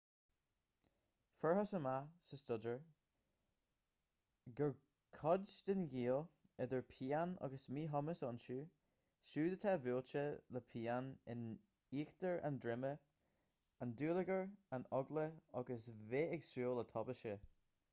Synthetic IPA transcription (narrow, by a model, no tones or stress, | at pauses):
fəɹɦɔsəmasəstʊdəɹ | ɡəɹ | kʰɔdd͡ʒd̪ɪnɡiːlˠɪd̪əɹpʰiːanɔ̰ɡəsmiːɦɔməsɔnʃuː | ʃuːd̪ət̪ʰaːvuːlt͡ʃələpʰiːanɪn | iːxt̪əɹʔa̰ndɹɪmə | anduːləɡəɹanɔɡləɔɡəsveɪɡsuːlˠət̪ʰɔbəʃə